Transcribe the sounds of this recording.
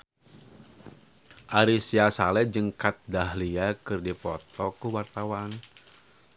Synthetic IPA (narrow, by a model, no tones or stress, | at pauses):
ʔaɾisiasalɛd͡ʒəŋkat̪̚daɦliakɨrdipɔ̰t̪ɔkuwart̪awan